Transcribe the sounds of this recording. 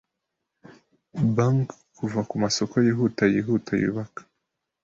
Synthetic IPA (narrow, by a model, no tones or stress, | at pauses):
baŋkkːuvakumasokojiɦutajiɦuːtajṵːβakḁ